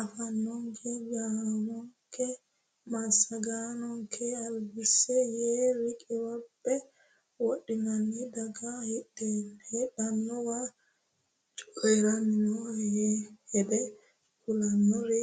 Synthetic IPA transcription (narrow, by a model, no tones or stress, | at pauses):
ʔafanːɔŋkɛd͡ʒanɔŋkɛ | masaɡanɔŋkʰɛalwisɛjɛɾikʼiwɔbːɛ | woɗimanːidaɡahɛɗɛhɛɗanːɔwa | t͡ʃuʔɛɾaninɔɛhɛdɛ | kulanːɔɾɛ